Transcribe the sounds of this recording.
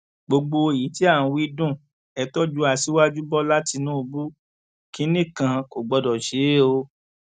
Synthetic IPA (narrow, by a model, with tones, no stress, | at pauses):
ɡ͡bo˧ɡ͡bo˧˨ji˨˦ti˦ã˦˨˧wi˧dũ˦˨ | ɛ˧tɔ˦d͡ʒu˧˦a˧˨si˨˦wa˦d͡ʒu˦bɔ˦la˦ti˧nũ˦u˧bu˦ | ki˨˦nĩ˦˨kã˨˧ko˨ɡ͡bɔ˧dɔ˨ʃe˨˦o˧